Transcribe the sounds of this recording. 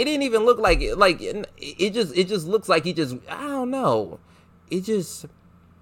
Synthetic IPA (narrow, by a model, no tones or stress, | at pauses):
ɨt̚d̥ɪdⁿn̩tivɨ̃nlʊklaɪkɪlaɪknɪɪt̚d̥ʒ̥ʌstɨt̚d̥ʒ̥ʌs̬tˡlʊkslaɪkhi̥d͡ʒʌs̬o̰oʊnoʊ | ʔɨt̚d̥ʒ̥ʌst